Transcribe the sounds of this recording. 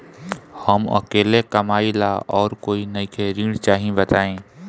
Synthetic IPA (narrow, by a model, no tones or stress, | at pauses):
hɐmɐ̰keːlekɐmaːɪlaɔːɾkoːinɐikʰeːɾiːɽ̃t͡ʃaːɦĩbɐt̪aːẽː